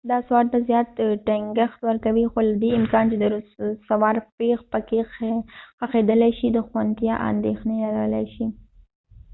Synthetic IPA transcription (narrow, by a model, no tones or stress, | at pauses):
d̪ɑswɑɾt̪azjɑt̪ʈeŋɡaxt̪wəɾkawixolad̪eɪmkɑnt͡ʃed̪əɾussawɑɾpexpəke | xaxed̪əlajʃid̪əxwant̪jɑʔɑ̰nd̪exnelaɡawəlajʃi